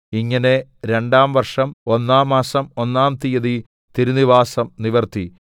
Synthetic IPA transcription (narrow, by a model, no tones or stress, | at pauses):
iŋːɐne̞ɾe̞ɳɖaːmʋɐrʂɐmo̞nːaːmːaːsɐmo̞nːaːmt̪ijɐði | t̪iɾuniʋaːsɐmniʋɐrt̪i